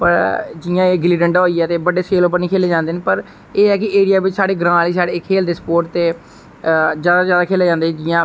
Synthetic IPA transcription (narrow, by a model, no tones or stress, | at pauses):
pəɾd͡ʒɪːjãːeːɡɪliːɖəɳɖoːiːɛːt̪eːbəɖeːseːloːpəɾniːkʰeːleːd͡ʒãːnd̪eːneːpəɾ | eːɛːkɪeːɽijaːbɪt͡ʃsaːɽeːɡɾãːliːsaːɽeːkʰeːld̪eːspoːɾʈt̪ːeː | d͡ʒjaːd̪aːd͡ʒjaːd̪aːkʰeːleːd͡ʒãːnd̪eːd͡ʒɪjãː